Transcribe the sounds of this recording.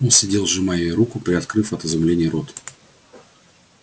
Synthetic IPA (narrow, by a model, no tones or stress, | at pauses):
onsʲɪdʲelˠʐɨmajejɾukʊpɾʲɪɐt̪kɾɨfɐt̪əzɐmlʲenʲɪjəɾot̪